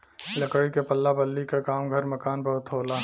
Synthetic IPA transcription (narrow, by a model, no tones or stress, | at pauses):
lɐkəɽikepɐlːabɐlːikekaːmɡʱɐɾmɐkaːnbɐɦʊt̪ɦoːlaː